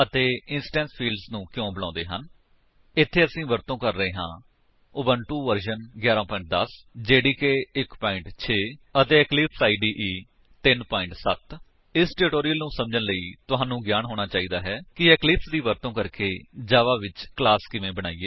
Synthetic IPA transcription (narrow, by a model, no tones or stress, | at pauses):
ət̪eːɪnsʈɛ̃ːnspʰiːlɖsnũːkjõːbəlãːnd̪eːɦən | ɪt̪ʰːeːəsĩːʋəɾt̪õːkəɾːəeːɦã̰ː | ʊbəɳʈuːʋəɾʃənɡjaːɾãːpɔːɪ̃ɳʈ̚d̪əsd͡ʒeːɽiːkeːɪkpɔːɪ̃ɳʈt͡ʃʰeːət̪eːɛklɪpʰsaːiːɖiːʔiː | t̪ɪnpɔːɪ̃ɳʈsət̪ | ɪsʈɛːɾɪʈoːɾijəlnũːsəmd͡ʒənləiːt̪ʊɦãːnũːɡjaːnɦoːɽ̃aːt͡ʃaːiːd̪aːɦɛːkɪɛːklɪpsd̪iːʋəɾt̪õːkəɾkeːd͡ʒaːʋaːʋɪt͡ʃklaːskɪʋẽːbəɽ̃aːiːeː